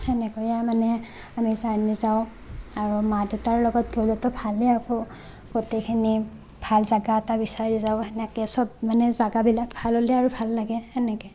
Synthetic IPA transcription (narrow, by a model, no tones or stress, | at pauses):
ɛnɛkɔjamanɛ | amizaɹnizaʊ̃ | aɹumadutaɹlɔɡɔtɡewlɛtɔbʱalɛakɔ | ɡ̥otekʰini | b̥ʱalzaɡaɛtabisaɹzaʊɛnɛkɛsɔp̚manɛzaɡabilakbʱalolɛaɹubʱalːaɡɛɛnɛkɛ